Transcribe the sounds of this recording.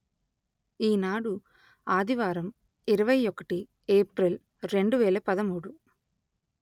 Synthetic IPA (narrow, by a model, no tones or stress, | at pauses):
iːnaːɽu | aːd̪iʋaːɾɐm | iɾɐʋɐjɔkɐ̥ʈi | eːpɾɐl | ɾe̞ɳɖuʋɛːlɐpɐðɐmuːɽu